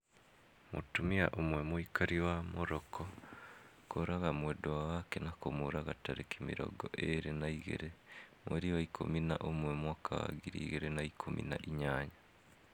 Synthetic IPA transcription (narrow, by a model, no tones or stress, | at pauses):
mutumiaʔomwemoikaɾiwamoɾokʰo | koɾaɣamwedowawakenakomuɾaɣataɾekimiɾo̰ɡoʔeɾenaiɣḛɾemweɾiwaikʰo̰minaʔomwemwakʰawa̰ɡiɾiiɣeɾenaikʰomḭna̰ʔiɲaːɲa